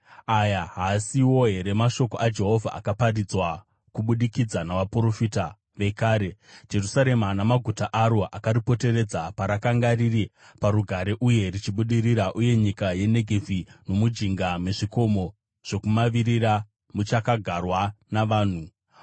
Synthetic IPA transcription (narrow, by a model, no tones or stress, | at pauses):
ajaɦasiwo̞ɦe̞ɾe̞maʃo̞koʔad͡ʒe̞ɦo̞vʱa̰ʔa̰kaparid͡zwa | kuɓuɗikid͡zanaʋapuro̞fita | ʋe̞kaːɾe̞d͡ʒe̞rusaɾe̞manamaɡʱutaʔaɾo̞ʔakaɾipo̞te̞ɾe̞d͡zapaɾakaŋɡariri | paɾuɡʱaɾe̞ʔuje̞rit͡ʃiɓuɗiɾiɾaʔuje̞ɲikaje̞ne̞ɡʱevʱino̞mud͡ʒiŋɡame̞ʐiko̞mo̞ | ʐ̥o̞kumaʋiɾira | mut͡ʃakaɡʱarwanaʋaːn̤u